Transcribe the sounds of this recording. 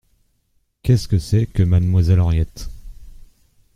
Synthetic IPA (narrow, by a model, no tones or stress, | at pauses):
kʲɛskəsɛkəmad̪mwazɛlɔʁjɛt̪